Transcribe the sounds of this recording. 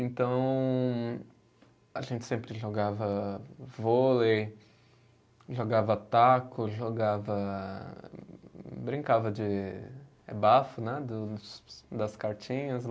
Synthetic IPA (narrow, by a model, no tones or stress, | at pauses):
ẽnt̪ɐ̃w̃ | aʒẽnt͡ʃɪ̥sẽmpɾɪʒoɡavɐvolej | ʒoɡavɐt̪akʊʒoɡavɐ | bɾĩŋkavɐd͡ʒɪ | ebafʊnɛd̪ʊʊsd̪ɐskaɾt͡ʃĩɲɐs